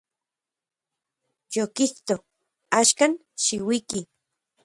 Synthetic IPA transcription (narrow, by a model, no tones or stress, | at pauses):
jokiht̪o | aːʃkan | ʃiwiki